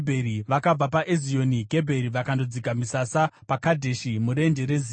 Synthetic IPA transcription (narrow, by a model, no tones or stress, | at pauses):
bʱeɾiʋakab͡vapaʔezijo̞niɡʱe̞bʱe̞ɾiʋakando̞d͡zikamisasapakadʱe̞ʃimuɾe̞nde̞ɾe̞ziː